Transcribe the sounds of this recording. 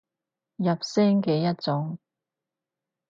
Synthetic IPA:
jɐ˨p̚sɛː˥ŋkɛː˧jɐ˥t̚t͡sɔ˨˥ŋ

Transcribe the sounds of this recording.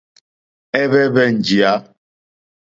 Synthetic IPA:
ɛ˦βɛ˦bɛ˦n̩˨d͡ʒi˨a˨˦

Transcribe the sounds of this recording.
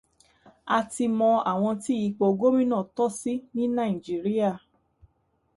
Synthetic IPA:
a˧ti˧mɔ̃˧a˨w̃ɔ̃˧ti˦ji˧k͡po˨˧ɡo˦mĩ˦nã˦˨tɔ˦si˦nĩ˦nã˦˨i˨d͡ʒi˨˦ɾi˦a˦˨

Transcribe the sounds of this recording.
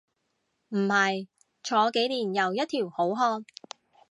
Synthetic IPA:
m̩˨˩hɐ˨j | t͡ʃʰɔː˨˧˥ke˨˥jliː˨˩njɐ˨wjɐ˥t̚t̪ʰiː˨˩who˨˥wɦɔː˧n

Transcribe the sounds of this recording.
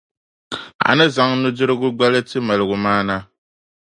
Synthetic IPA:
a̰˨nɨ˦za˨ŋnu˦dɪ˦ɾɨ˦ɡʊ˦ɡ͡ba˦lɨ˦tɨ˦ma˨lɨ˨ɡʊ˨maː˦na˦

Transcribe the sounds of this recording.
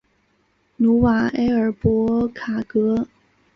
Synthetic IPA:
nu˧˥wa˨˩e˥ɪə˞˨˩pwɔ˧˥kʰa˨˩kɤ˧˥

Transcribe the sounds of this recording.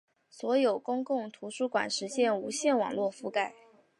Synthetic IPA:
swɔ˧˥jo˨˩ʊkʊ˥ŋkʊ˥˩ŋt̪ʰu˧˥ʂu˥kwa̰˨˩nʂɻ̩˧˥ɕjɛ˥˩nu˧˥ɕjɛ˥˩nwɑ̰˨˩ŋlwɔ˥˧fu˥˧ka˥˩ɪ

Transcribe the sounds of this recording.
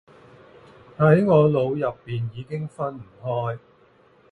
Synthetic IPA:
hɐ˨˥jŋɔː˨˧lo˨˧wjɐ˨pːiː˨˩njiː˨˧kɪ˥ŋfɐ˥nm̩˨˩hɔː˥j

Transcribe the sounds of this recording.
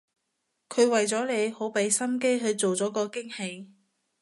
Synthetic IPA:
kʰɵ˨˧ɥwɐ˨jt͡sɔː˨˥le˨˧jho˨˥wpe˨˥jsɐ˥mke˥jɦɵ˨˧ɥt͡so˨wt͡sɔː˨˥kɔː˧kɪ˥ŋhe˨˧j

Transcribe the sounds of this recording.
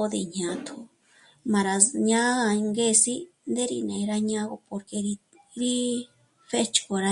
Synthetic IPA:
o˧ði˧˨ɲã˧˨t̪ʰu˧ | mã˨ɾa˨ɲã˦˧ŋɡe˦˧si˦ | nd̪e˦ɾḭ˧nẽ˨˧ɾa˧ɲã˦ɣo˧po˧ɾke˧ɾi˧ | ɾi˦ | fe˦t͡ʃko˧˨ɾa˧

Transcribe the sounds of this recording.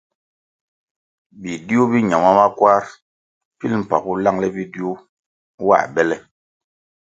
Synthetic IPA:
bi˨di˦u˦bi˦ɲa˨ma˦ma˦kwa˦ɾ | pi˦lm̩˨pa˨ku˦la˦˨ŋlɛ˦bi˦di˦u˦ | wa̰˦˨bɛ˦lɛ˦

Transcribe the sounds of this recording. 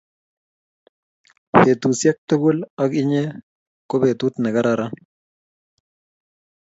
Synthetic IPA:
pe˨tu˨sja˦k̚to˦ɡu˦la˦kɪ˦ɲe˦ | ko˦be˨tu˦t̪na˨ɡa˦ɾaɾa˦

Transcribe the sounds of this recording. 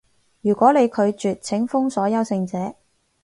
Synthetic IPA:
jyː˨˩kʷɔː˨˥ne˨˧jkʰɵ˨˧ɥt͡ʃyː˨t̚t͡sʰɪ˨˥ŋfʊ˥ŋsɔː˨˥jɐ˨˧wsɪ˧ŋt͡sɛː˨˥

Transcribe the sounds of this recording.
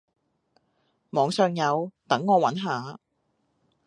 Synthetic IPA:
mɔː˨˧ŋsœː˨˧ŋjɐ˨˧wt̪ɐ˨˥ŋːɔː˨˧wɐ˨˥nɦaː˨˧

